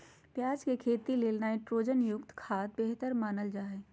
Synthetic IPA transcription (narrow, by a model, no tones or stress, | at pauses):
pjaːd͡ʒkekʰeːt̪ileːlnaːĩʈɾoːd͡ʒənjʊkt̪kʰaːt̪̚beːɦt̪əɾmaːnəld͡ʒaːɦe